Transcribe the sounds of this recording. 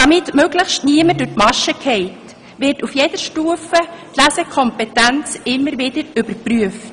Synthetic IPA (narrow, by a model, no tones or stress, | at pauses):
d̥ɑmɪtmøɡləxʃtniəmədʊtmɑʃəkʰɛɪt | ʋɪrtufjɛd̥əɾʃtuːəfətlæsəkʰɔmpɛtænt͡sɪmːəɾʋɪd̥əɾʏb̥əɾpryəft